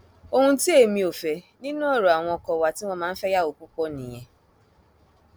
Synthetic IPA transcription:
o˦ŋũ˦ti˦e˦˨mĩ˧o˨fe˨ | nĩ˦nũ˦ɔ˦˨ɾo˨a˨w̃ɔ̃˧ɔ˧kɔ˨wa˨ti˦w̃ʷɔ̃˧mãː˦n̩˦fɛ˦ja˦o˨k͡pu˦kɔ˦nĩ˨je˨

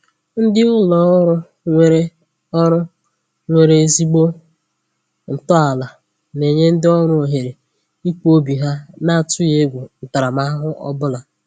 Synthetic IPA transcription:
n̩˦dɪ˦ʊ˦lɔ˨˦ɾʊ˦ | ŋʷe˨ɾe˦ | ɔ˦ɾʊ˦ | ŋʷe˨ɾe˨zi˦ɡ͡bo˦ | n̩˨tɔ˦a˨la˨ | ne˨ɲe˦n̩˦dɪ˦ɔ˦ɾʊ˦o˨ɦe˨ɾe˨ | i˦k͡po˦bi˨ɦa˦na˦˨tʊ˦je˦ɡʷu˨n̩˨ta˨ɾa˨ma˦ɦʊ˦ʔɔ̰˦bʊ˦la˨

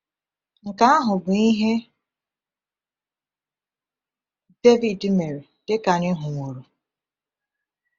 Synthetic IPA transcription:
ŋ̩˨ka˦a˦ɦʊ˨ɡ͡bʊ˨˦i˦ɦe˦ | de˦vi˨dme˨ɾe˨ | d̥ɪ˦ka˨nɪ˦ɦʊ˨ŋʷo˨ɾu˨

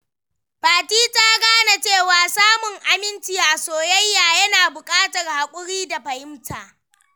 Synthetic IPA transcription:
ɸaː˨tiː˦ta˦ɡaː˦na˨t͡ʃeː˦˨waː˨saː˦mʊ˨ŋʔa˨mɪ˦nt͡ʃɪ˨jaː˨soː˨jɐ˦jːaː˨jɐ˦naː˨bʊ˨kʼaː˦tɐ˨rha˨kʷʼʊ˦ɽiː˦da˨ɸɐ˨ʔɪ˦mtaː˨ʔ

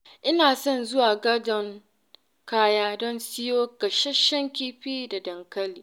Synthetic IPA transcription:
ʔɪ˦naː˨sɔ˦nzʊ˦waː˨ɡɐ˦dɔ˨ŋ | kaː˦jaː˦dɔ˦nsɪ˦joː˦kɐ˨ʃɐ˦ʃɐ˦ŋkʲiː˦ɸiː˦da˨dɐ˨ŋkɐ˦liː˦

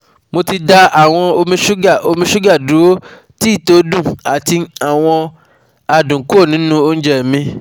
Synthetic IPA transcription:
mo˧ti˧da˧a˨w̃ɔ̃˧o˧mĩ˧ʃu˦ɡa˦˨ʔo˧mĩ˧ʃu˦ɡa˦˨dũ˨˦o˦ | ti˦i˦˨to˦dũ˦˨a˨ti˧a˨w̃ɔ̃˧ | a˨dũ˨˦ku˦o˦˨nĩ˨˦nũ˦o˦n̩˦d͡ʒɛ˨mĩ˧

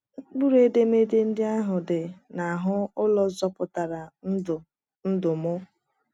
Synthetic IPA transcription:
k͡pu˦ɾe˦de˦me˦dɪ˦n̩˦dɪ˦a˦ɦʊ˨dɪ˨na˨ɦʊ˦ʊ˦lɔ˦zɔ˦pʊ˨ta˨ɾa˨n̩˦˨ | n̩˦dʊ˨mʊ˦

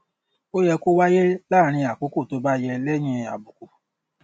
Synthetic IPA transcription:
o˦jɛ˧ko˦wa˦je˦la˦˨ɾ̃ĩ˧a˨ko˨˦ko˦˨to˨˦ba˦˨jɛ˧lɛ˦j̃ĩ˧a˨bu˨ko˨

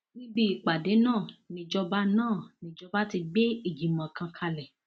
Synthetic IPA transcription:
nĩ˦bi˦i˨k͡pa˨de˨˦nãː˦˨nĩ˧d͡ʒɔ˦˧ba˦nãː˦˨nĩ˧˦d͡ʒɔ˧ba˦ti˧ɡ͡be˦i˦˨d͡ʒi˨mã˨kã˧kʰa˧lɛ˨

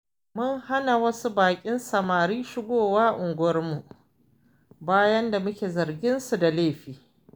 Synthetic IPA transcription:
mʊ˦ŋha˦na˨wɐ˦su˦baː˨kʲʼɪ˦nsɐ˨maː˨ɾiː˦ʃɪ˦ɡʷoː˦˨waː˦ʔʊ˨ŋɡʷɐ˦rmu˨ʔ | baː˦jɐ˦nda˨mʊ˦kʲeː˨zɐ˨ɾɡʲɪ˦nsu˨da˨leː˦˨ɸiː˨

